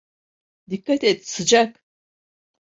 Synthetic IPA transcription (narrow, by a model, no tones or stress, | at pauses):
d̪ikʰːat̪ɛt̪sɯd͡ʒak